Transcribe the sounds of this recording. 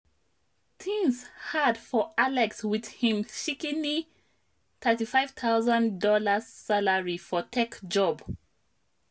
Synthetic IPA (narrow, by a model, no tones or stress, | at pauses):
tʰĩŋshadfɔalɛkswið̥hĩmʃikɪ̃ni | θʰɜtifaɪv̥t̪ʰaʊzə̃ndɔləsaləɹifɔtʰekd͡ʒɔb